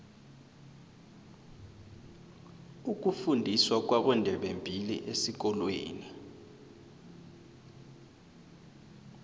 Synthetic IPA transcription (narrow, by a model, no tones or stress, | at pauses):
uk̬ufundʱiswak̬waɓɛndʱɛɓembʱilḭʔesik̬ɔlwḛːni